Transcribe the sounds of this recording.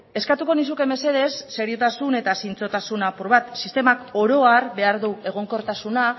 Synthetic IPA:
e̞skat̪uko̞nis̬uke̞me̞se̞ðe̞sːe̞ɾiot̪asune̞t̪asint͡so̞t̪asunapuɾβat̪sist̪e̞mako̞ɾo̞aɾβe̞aɾðue̞ɣ̞o̞ŋko̞ɾt̪asuna

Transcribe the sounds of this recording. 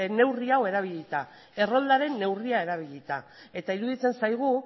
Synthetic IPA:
ne̞wriawe̞ɾaβ̞iʎit̪a | e̞ro̞ld̪aɾe̞nːe̞wriae̞ɾaβ̞iʎit̪a | e̞t̪aiɾuðit͡se̞nsajɣ̞u

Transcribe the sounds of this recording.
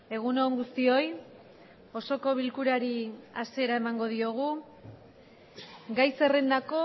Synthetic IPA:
e̞ɣ̞unoŋɡust̪io̞j | o̞so̞ko̞βilkuɾaɾiase̞ɾae̞maŋɡo̞ð̞io̞ɣ̞u | ɡajse̞rend̪ako̞

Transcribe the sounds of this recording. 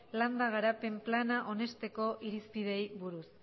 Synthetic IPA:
land̪aɣ̞aɾape̞mplanaʔo̞ne̞st̪e̞ko̞ʔiɾispið̞e̞jβuɾus

